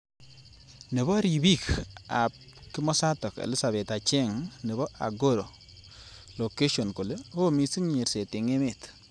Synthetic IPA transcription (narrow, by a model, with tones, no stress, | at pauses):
nɛ˨bɔ˦ɾi˨bi˦ka˨p̚ | kɪ˦mɔ˦sa˦tɔ˨kḛ˨lɪ˦sa˨bɛ˨ta˨t͡ʃɛ˦˨ŋnɛ˨bɔ˦a̰˨ɡo˦ɾo˨ | lo˨ke˦ʃɔ˨nko˨le˦ho˦mi˨si˦ŋɲe˨ɾse˨tɪ˨ŋe˦me˨t